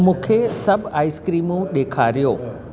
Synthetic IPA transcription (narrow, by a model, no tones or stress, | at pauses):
mũːkʰesɐbʱaːiskɾiːmũɗ̪eːkʰaːɾijoː